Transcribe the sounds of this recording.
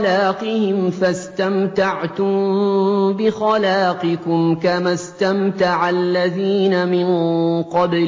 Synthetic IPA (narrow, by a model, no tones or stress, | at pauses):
laːqɪhɪmfast̪amt̪aʕt̪ʊm | bɪxalaːqɪkʊmkamast̪amt̪aʕalːaðiːnamɪnqɑb